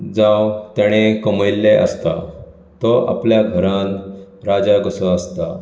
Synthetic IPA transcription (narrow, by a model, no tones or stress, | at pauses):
d͡zawt̪jaɽ̃ekəməjlːeʔə̰st̪a | t̪ɔʔa̰pljaɡʱəɾãnɾad͡ʑaɡəsəəst̪a